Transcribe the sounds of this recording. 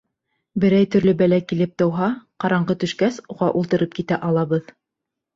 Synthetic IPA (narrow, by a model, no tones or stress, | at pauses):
bɘ̆ɾæjt̪ɵ̆ɾlɵbælækilɘp̚t̪ɤ̆wɦɑqɑɾɑɴɢɤt̪ɵ̆ʃkæsuʁɑʔulˠt̪ɤ̆ɾɤp̚kit̪æʔɑlˠɑβɤð